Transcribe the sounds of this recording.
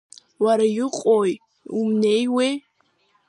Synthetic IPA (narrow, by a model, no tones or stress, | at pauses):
waɾajɪqʼoj | umnejwe